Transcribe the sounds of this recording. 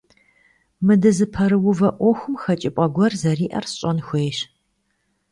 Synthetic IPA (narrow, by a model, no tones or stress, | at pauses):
mɨdɨzɨpʰɐɾɨwʊvɐʔʷɔxʷʊmxɐt͡ʃʼɪpʼɐɡʷɔrzɐriːʔɐrsɕʼɔnxʷejɕ